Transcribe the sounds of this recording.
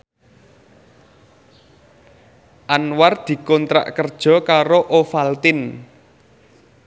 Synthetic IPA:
ʔanward̪̥i̤kɔnt̪ɾa̰ʔkərd̥ʒ̥ɔ̤kaɾoʔofalt̪ɪn

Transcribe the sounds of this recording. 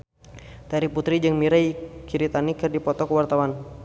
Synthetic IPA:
t̪aɾiput̪ɾid͡ʒəŋmiɾajkiɾit̪anikɨrdipɔt̪ɔkəwart̪awan

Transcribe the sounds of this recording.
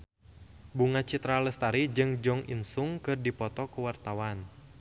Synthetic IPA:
buŋat͡ʃit̪ɾaləst̪aɾid͡ʒɨŋd͡ʒɔŋʔḭnsʊŋkɨrdipɔt̪ɔkuwart̪awan

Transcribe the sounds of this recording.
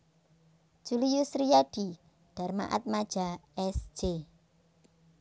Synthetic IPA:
ʒ̥ulijusɾijaɖ̥i | d̪̥a̤rma̰ʔa̰t̪̚mad̥ʒ̥aɛsd͡ʒ̥e

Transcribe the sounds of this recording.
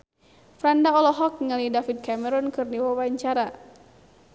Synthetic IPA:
fɾandaɔlɔɦɔk̚ŋalidafit̪̚kamɛɾɔnkɨrniwawaɲt͡ʃaɾa

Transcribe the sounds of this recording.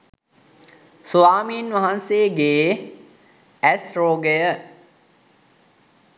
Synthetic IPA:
suʋaːmiːnʋaɦanseːɡeː | ɛsɾoːɡəjə

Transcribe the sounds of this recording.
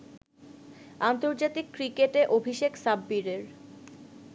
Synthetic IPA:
ant̪oɾd͡ʑat̪ikːɾikeʈeʔobʱiʃeksabːiɾeɾ

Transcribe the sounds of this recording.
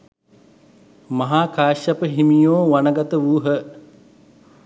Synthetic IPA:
mɐɦaːkaːʃapəɦimijoːʋanəɡat̪əʋuːɦə

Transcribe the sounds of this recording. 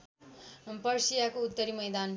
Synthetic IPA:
pʌrsijakout̪ːʌɾimʌjd̪an

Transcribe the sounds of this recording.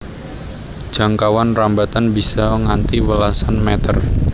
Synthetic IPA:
ʒ̥a̤ŋkawanrambat̪anbisɔŋant̪iwəlasanmɛt̪ər

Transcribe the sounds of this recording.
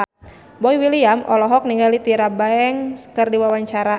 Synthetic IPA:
bɔiwiliamʔɔlɔɦɔk̚niŋɡalit̪iɾabaɛŋskərdiwawaɲt͡ʃaɾa

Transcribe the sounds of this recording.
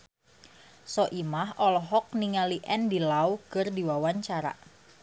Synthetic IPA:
sɔʔimaɦɔlɔɦɔk̚niŋaliʔɛndilawkɨrdiwawaɲt͡ʃaɾa̰

